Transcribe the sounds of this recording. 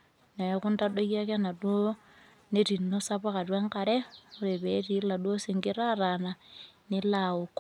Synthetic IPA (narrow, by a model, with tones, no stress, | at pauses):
na˨ku˦nta˦do˦ɣa˦kɛ˦na˨dwo˦ | ne˦ɾi˨nːo˦sa˦βa˦ka˨twa˦ŋka˨ɾɛ˦o˦ɾe˨βɛ˨˦ɾi˨˦la˨dwo˦se˨ŋɡe˦ɾa˦ɾa˨na˨ne˦lao˨ko˦